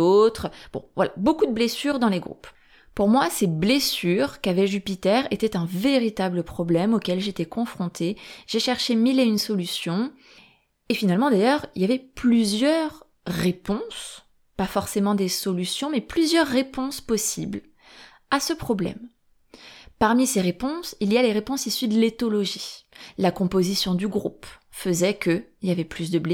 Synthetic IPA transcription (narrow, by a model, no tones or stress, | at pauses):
ot̪χb̥ɔ̰̃vwala̰bokud̪əblesyʁd̪ɑ̃leɡʁṵp | puʁmwaseblesyʁkavɛʒypit̪ɛʁet̪ɛt̪ɛ̃veʁit̪abləpχɔblɛmokʲɛlʒet̪ɛkɔ̃fχɔ̃t̪ʰeʒ̥eʃɛʁʃemileynsɔlysjɔ̃ | efinalmɑ̃d̪ajœʁiljavɛplyzjœʁː | epɔ̃s | pafɔʁsemɑ̃d̪esɔlysjɔ̃mɛplyzjœʁːepɔ̃spɔsibl | asəpχɔblɛ̰m | paʁmiseʁepɔ̃silialeʁepɔ̃sisyd̪əlet̪ɔlɔʒilakɔ̃pozisjɔ̃d̪yɡʁṵp | fəzɛkəiljavɛplys̬d̪əble